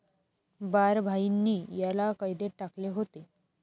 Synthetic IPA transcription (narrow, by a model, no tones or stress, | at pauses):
baɾbʱainːiːjalakəjd̪eʈakleɦot̪e